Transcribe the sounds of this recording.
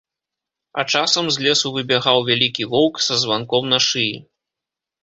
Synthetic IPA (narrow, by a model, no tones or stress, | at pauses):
ɐt͡ʂasɐmzʲlʲɛsuvɨbʲaɣawvʲalʲikʲivɔwksɐzvankɔmnɐʂɨji